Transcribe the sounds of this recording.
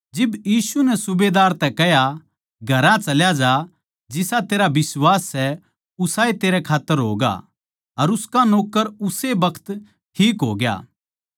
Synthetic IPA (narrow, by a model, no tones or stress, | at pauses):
d͡ʒɪbjiːsunɛsʊbed̪aːɾt̪ɛkɛja | ɡʱɐɾãt͡ʃɐljad͡ʒa | d͡ʒɪsat̪eːɾabɪswaːsːɛ | ʊsaːet̪eːɾɛkʰaːt̪ːəɾɦo̰ːɡa̰ | ɐɾʊskanoːkːəɾʊsebɐkʰt̪ | ʈʰiːkɦoːɡja̰ː